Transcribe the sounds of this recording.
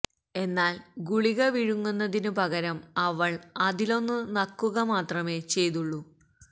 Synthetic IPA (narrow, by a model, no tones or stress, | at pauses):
e̞nːaːlɡuɭiɣɐʋiɻuŋːunːɐðinɨpɐɣɐɾɐmɐʋɐɭɐðilo̞nːɨnɐkːuɣɐmaːt̪rɐme̞ːt͡ɕe̞jt̪uɭːu